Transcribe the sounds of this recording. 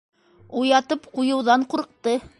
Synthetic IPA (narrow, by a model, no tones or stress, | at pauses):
ujɑt̪ɤpqujɤ̆wðɑɴquɾɤ̆q̚t̪ɤ